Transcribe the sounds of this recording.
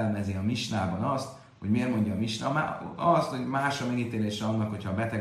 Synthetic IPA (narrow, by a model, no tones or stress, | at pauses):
lɛmɛzeɒmiʃnaːbɒnɒst̪ | ho̞ɟmeːrmo̞ɲɟɒːmiʃnɒ̰ma̰ɒst̪ho̞ɟmaːʃɒmɛɡit̪eːleːʃɛɒnːɒkho̞cʰɒːbɛt̪ɛ